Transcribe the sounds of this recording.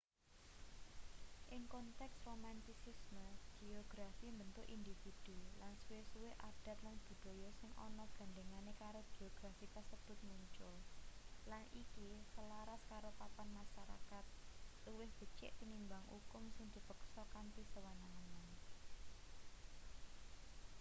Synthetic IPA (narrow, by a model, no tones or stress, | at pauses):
ʔɪŋkɔnt̪ɛksromant̪isisməɡ̥ioɡ̥ɾafimbənt̪ʊʔind̪ifid̪̥ulansuwɪsuwɪhʔaɖ̥a̤t̪land̪̥ṳd̪̥o̤jɔsɪŋʔɔ̰nɔɡ̥a̤nd̪eŋanekaɾob̥i̤oɡ̥ɾafip̪əsəb̥ʊ̤t̪̚muɲt͡ʃʊllanʔikisəlaɾaskaɾopapanmaʃaɾa̰kat̪̚luwɪhb̥ə̤t͡ʃɪ̰ʔp̪inimbaŋṵkʊmsɪŋd̪̥i̤pəksɔkanpisəwanaaŋan